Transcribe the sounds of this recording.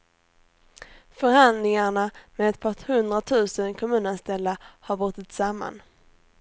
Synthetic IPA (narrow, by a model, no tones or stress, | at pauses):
fœɾhand̪nɪŋaɳamɛɛt̪pʰɑʈ̪hɵnd̪ɾat̪ʰʉ̟ːsənkʰɔmʉ̟ːnanst̪ɛlːahaɾbʊt̪ːɪt̪samːa̰n